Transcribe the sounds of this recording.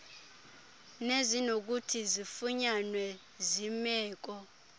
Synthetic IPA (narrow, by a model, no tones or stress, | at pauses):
nezinok̬utʰizifuɲanwɛ | zimɛːk̬ɔ